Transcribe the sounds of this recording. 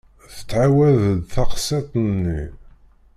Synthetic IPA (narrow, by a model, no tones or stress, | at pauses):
θə̥t͡sːʕawæðd̪θɑqset̪ˤnːi